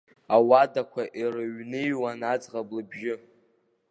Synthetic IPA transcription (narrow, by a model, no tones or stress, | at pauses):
awadakʷʰaʔirɨɥnɨjwanad͡zʁablɨbʒɪ